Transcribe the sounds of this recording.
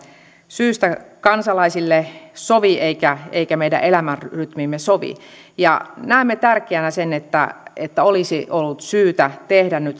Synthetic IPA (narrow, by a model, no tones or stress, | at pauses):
syːst̪ækɑnsɑlɑisilːesoʋiʔeikæeikæmeijdæ̰ʔelæmærryt̪mimːesoʋḭ | jɑ̰næemːet̪ærkˑeænæsenet̪ːæ̰et̪ːæolisiʔolːut̪syːt̪æt̪ehdænnyt̪